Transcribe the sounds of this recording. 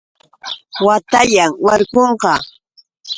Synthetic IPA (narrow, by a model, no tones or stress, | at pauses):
wat̪aʎaŋwaɾkoɴqɑ